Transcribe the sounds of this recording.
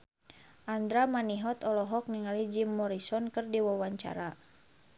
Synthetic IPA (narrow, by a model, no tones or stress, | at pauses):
ʔand̪ɾamaniɦɔt̪ɔlɔɦɔk̚niŋalid͡ʒimːɔɾisɔnkɨrdiwawaɲt͡ʃa̰ɾa